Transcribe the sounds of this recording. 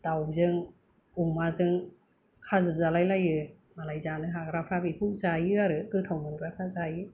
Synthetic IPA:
dawzɯŋ | uŋmazɯŋ | kʰazɯzalajlajɯ | malajzanɯɦakɾapʰɾabipʰuzajɯaɾɯkɯtʰawmɯŋɾakʰazajɯ

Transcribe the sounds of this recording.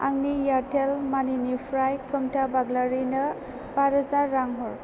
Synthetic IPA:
a̰ŋnijatʰelmaninipʰɾajkʰɯmtʰabaɡlaɾinə | baɾɯzaɾːaŋɦɔɾ

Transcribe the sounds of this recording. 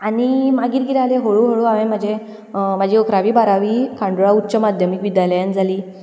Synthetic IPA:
animaɡiːt̪ɡiɾaleɦoɭuɦoɭaʋẽmad͡ʑe | mad͡ʑiəkʰɾaʋiːbaɾaʋiːkãɳɖoɭautːt͡ɕəmad̪ʱjəmikʋid̪jajləjand͡zʱaliː

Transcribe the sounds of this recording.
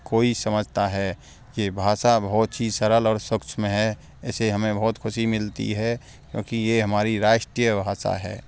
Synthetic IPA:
koːisəməd͡ʒʱt̪aɦɛː | jebʱaːsabɔːt̪t͡ʃʰisəɾəlɔːɾswəkt͡ʃʰmẽɦɛ | ɛseɦəmẽbɔɦːt̪kʰʊʃimɪlt̪ḭɦɛ | kjõ̰ːkijeɦɐmaːɾiɾaːʃʈɾijəbʱaːsa̰ɦɛ̰ː

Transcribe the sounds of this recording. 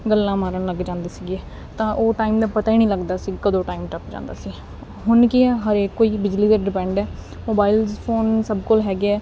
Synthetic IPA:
ɡəlːãːmaːɾəɳləɡd͡ʒãːnd̪eːsiːɡiɛː | t̪ãːʔoːʈaːimd̪aːpət̪aːiːnĩːləɡd̪aːsiːkəd̪õːʈaːimʈəpd͡ʒã̰ːnd̪a̰ːsiː | ɦʊnkɪɦəɾeːkːoːiːbɪd͡ʒliːd̪eːɖɪpɛ̃ːɳɖɛː | moːbaːilzpʰoːnsəbkolɦɛːɡeɛː

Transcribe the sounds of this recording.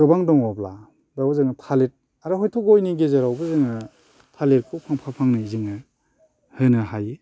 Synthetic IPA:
ɾɯbaŋdɔŋɔbla | bawbzɯŋɯtʰalet̚ | aɾaɦɔjtʰɔkojniɡezaɾawbɯzɯŋɯ | pʰalet̚kʰɔpʰaŋpʰapʰaŋnɯzɯŋɯ | hɯnɯɦaji

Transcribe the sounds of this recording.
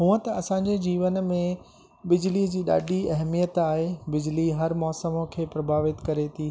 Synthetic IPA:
ɦũːə̃t̪ɐɐsãːɲd͡ʑed͡ʑiːʋənmẽ | bɪd͡ʑlid͡ʑiːɗa̰ːɖʱiɐɦmijət̪aːɦebɪd͡ʑliɦɐɾmɔːsəmokʰeːpɾɐbʱaːʋɪt̪kɐɾet̪ʰiː

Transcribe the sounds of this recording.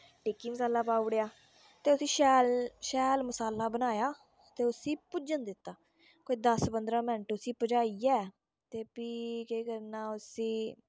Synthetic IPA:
ʈiːkːiːməsaːlaːpaːʊɽejaː | t̪eːʊsĩːʃɛːlʃɛːlməsaːlːaːbənaːjaː | t̪eːʊsĩːpʊd͡ʒənd̪ɪt̪ːaː | koːiːd̪əspənd̪ɾãːmɛ̃ɳʈʊsiːpəd͡ʒaːiːɛː | t̪eːpiːkekəɾnaːʊsĩː

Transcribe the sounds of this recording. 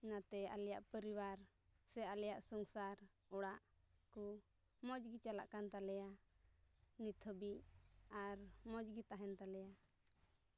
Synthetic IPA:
nat̪ɛa̰lɛjaʔpəɾiwaɾ | sɛalɛjaʔsɔŋsaɾ | ɔɽaʔku | mɔd͡ʒɡit͡ʃala̰ʔkant̪alɛja | nit̪ʰəbiʔaɾmɔd͡ʒɡit̪aɦɛnt̪alɛja

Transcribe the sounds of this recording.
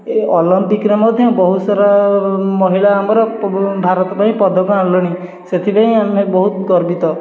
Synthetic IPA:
eɔlɔmpikɾemɔd̪ʱjɔbɔɦusaɾamɔɦiɭaːmɔɾɔbʱaɾɔt̪ɔpaĩpɔd̪ʱɔkɔãlɔɽ̃i | set̪ʰipaĩamebɔɦut̪ɡɔɾbit̪ɔ

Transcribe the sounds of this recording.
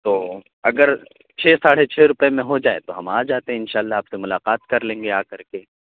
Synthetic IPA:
t̪oː | ɐɡəɾ | t͡ʃʰeːsaːɽ̤et͡ʃʰeːɾʊpemẽɦod͡ʒaːḛt̪oɦɐmaːd͡ʒaːt̪eɦɛ̃ɪnʃaːlːaaːpsemʊlaːqaːt̪kɐɾlẽːŋɡeaːkɐɾke

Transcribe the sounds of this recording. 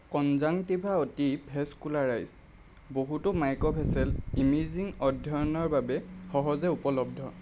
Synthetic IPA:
kɔnzaŋtibʱaotibʰʱɛskulaɹajz | boɦutʊmajkɔpʰɛsɛlimiziŋɔdʱjɔjɔnɔɹbabɛxɔɦɔzɛupɔlɔb̚dʱɔ

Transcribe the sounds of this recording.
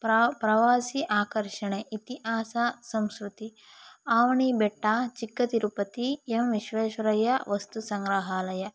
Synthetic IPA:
ppɾɐʋaːsiʔaːkɐɾʃɐɳeʔit̪iʔaːsasɐmskɾut̪i | aːʋɐɳibeʈːaːt͡ʃikːɐt̪iɾupɐt̪iemʋiʃʋeːʃɐɾɐjɐʋɐst̪usɐŋɡɾaɦaːlɐjɐ

